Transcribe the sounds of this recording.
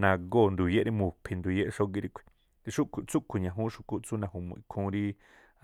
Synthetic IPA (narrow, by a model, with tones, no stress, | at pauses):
nã˧ɡo˦˨nd̪u˨je˦ɾi˦mũ˨pʰi˧nd̪u˨je˦ʔʃo˦ɡi˧ɾi˧kʷʰi̥˧ | t̪i˧ʃu˦ku˧t͡su˦kʰu˨ɲã˨ɦũ˦ʃu˧ku˦t͡su˦nã˧˨ɦu˧mṵ̃˧˨i˧kʰũ˧˦ɾi˦